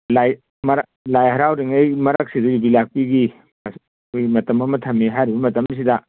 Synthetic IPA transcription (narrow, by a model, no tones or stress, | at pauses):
laj | mɐɾ | lajɦɐɾawɾiŋejmɐɾak̚siduɡibilak̚piɡi | as | jmɐtɐmɐmɐtʰɐmːiɦajɾibɐmɐtɐms̬idɐ